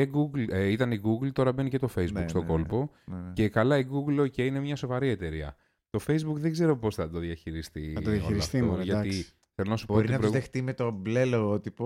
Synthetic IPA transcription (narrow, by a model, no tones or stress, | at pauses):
eɡuɡlit̪ɐniɡuɡlt̪o̞ɾɐbe̞nice̞t̪o̞fe̞jzbukst̪o̞ko̞lpo̞ | ce̞kɐlɐiɡuɡloceinemɲɐso̞vɐɾie̞t̪e̞ɾiɐ̰ | t̪o̞fe̞jzbukðe̞ɡze̞ɾo̞po̞sθɐd̪o̞ðjɐçiɾist̪ijɐiiɐsft̪ioʝɐt̪i | kθelonɐsu̥boɾit̪inɐpɾoiɣðext̪imet̪obleloot̪ipo